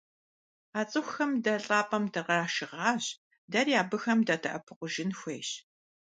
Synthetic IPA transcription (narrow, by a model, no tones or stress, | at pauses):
aːt͡sʼɨxʷxɐmdɐɬʼaːpʼɐmtʰɐʁɑːʃɪʁɑːɕ | dɐrjaːbɨxɐmdatʰɐʔɐpʰɨqʷʊʒɪnxʷejɕ